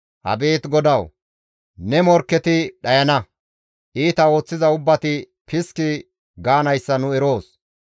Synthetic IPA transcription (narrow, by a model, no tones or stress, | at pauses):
hɐ̰be̞ːt̪ɡɔd̪ɐw | nɛmɔɾkːɛt̪ɪɗɐjɐnɐ | ʔiːt̪ɐo̞ːt͡sːɪzɐʊbːɐt̪ɪ | pɪskɪ | ɡaːnɐjsːɐnʊɛɾo̞ːs